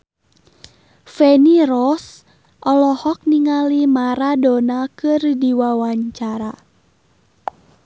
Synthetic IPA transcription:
fɛniɾɔs | ʔɔlɔhɔk̚niŋalimaɾadɔnakɨrdiwawaɲt͡ʃaɾa

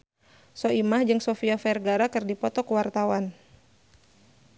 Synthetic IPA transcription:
sɔimahd͡ʒɨŋsɔfiafɛrɡaɾakɨrdipɔt̪ɔkuwart̪awan

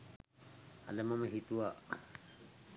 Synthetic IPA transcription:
a̰lamaməɦit̪uaʔ

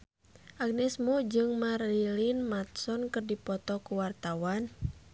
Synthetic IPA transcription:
ʔaɡ̚nɛsmud͡ʒɨŋmarilinmat̪̚sɔnkɨrdipɔt̪ɔkuwart̪awan

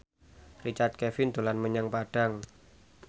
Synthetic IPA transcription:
rit͡ʃart̪̚kɛfɪnd̪olanməɲaŋpaɖ̥a̤ŋ

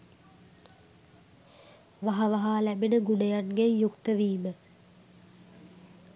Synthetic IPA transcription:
ʋaɦaʋaɦaːlæbinəɡunejanɡejukt̪əʋiːmə

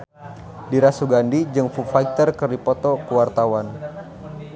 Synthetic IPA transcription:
diɾasuɡandid͡ʒɨŋfufaik̚t̪ərkərdipɔt̪ɔkuwart̪awan

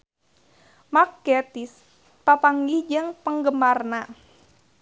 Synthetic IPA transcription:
makːɛt̪is | papaŋɡihd͡ʒɨŋpəŋɡəmarna

